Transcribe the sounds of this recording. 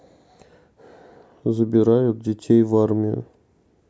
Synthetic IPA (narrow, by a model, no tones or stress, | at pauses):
zɨbʲɪɾajʊt̪̚dʲɪtʲʰejvarmʲɪʊ̰